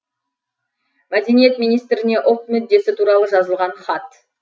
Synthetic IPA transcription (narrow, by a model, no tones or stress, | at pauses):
mæd̪e̞nije̞t̪mijnijst̪ɾɪne̞ʔʊlˠt̪mʏd̪ːe̞sɪt̪ʰuɾɑlˠəʒɑzəlˠʁɑnχɑt̪